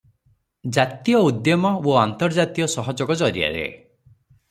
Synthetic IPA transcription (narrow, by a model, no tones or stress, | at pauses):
d͡ʒat̪ijɔud̪jɔmɔoant̪ɔɾd͡ʒat̪iɔsɔɦɔd͡ʒɔɡɔd͡ʒɔɾia̰ɾḛ